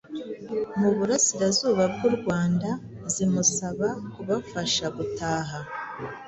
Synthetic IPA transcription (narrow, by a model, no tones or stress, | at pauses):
muβuɾasiɾazuːβab̚ɡuɾɡwaːnda | zimusaβakuβafaʃaɡutaːɦa